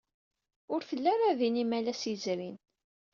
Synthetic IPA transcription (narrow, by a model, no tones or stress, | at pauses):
ʊɾθəlːæɾaðinimælæsizɾin